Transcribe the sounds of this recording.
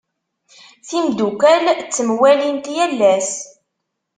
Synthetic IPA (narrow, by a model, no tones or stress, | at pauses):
θimd̪ukælt͡sːəmwælint̪jælːæs